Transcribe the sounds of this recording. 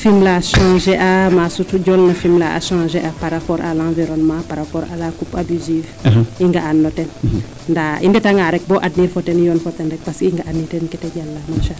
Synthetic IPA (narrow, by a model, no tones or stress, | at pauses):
fimlaʃãʒeʔamasutuɟɔlnɐfimlaʔa̰ʃãːʒeʔapaɾapɔɾʔa̰lãːviɾɔnmãpaɾapɔɾa̰lakupabiziv | iŋɡaanːɔtɛn | ndaindɛtaŋaɾɛk̚bɔʔadniɾfɔtɛnjɔnfɔtɛndɛk̚paskiŋɡaʔanːitɛnkɛtɛɟalːamaʃa